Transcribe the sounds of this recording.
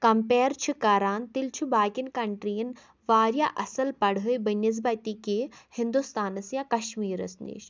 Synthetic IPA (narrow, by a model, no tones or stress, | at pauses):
kɐmpeːɾt͡ʃʰikɐɾaːnt̪ilt͡ʃʰubaːkinkɐɳʈɾijɐn | ʋaːɾjaʔɐsɐlpɐɽɦɨjbɐniz̬bɐt̪ikehind̪ust̪aːnɐsjãːkɐʃmiːɾɐ̰snḭʃ